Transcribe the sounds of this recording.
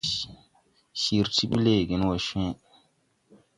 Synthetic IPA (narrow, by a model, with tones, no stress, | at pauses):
ʃi˨ɾti˦ɓḭ˦le˦˨ɡi˨n˦wo˨ʃɛ̃˦